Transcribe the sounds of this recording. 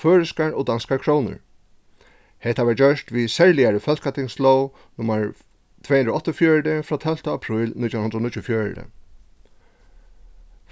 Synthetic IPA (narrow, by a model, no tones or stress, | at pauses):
føːɹɪskaɹɔd̪anskaɹkʰɾownə̰ɹ | hɛt̪aʋad͡ʒœʂt̪ʋisɛɹlɪjaɹəfœlkat̪ʰɪŋslow | nʊmːaɹ | t̪ʰveːhɨnd̪ɾoɔt̪ɔfjœːɹd̪ɪfɾɔːt̪ʰɛl̥t̪aːpʰɾʊːlnɪt̪jaʊnhnɾɔnɪt͡ɕːʊfjɔːɹ̰d̪ɪ̰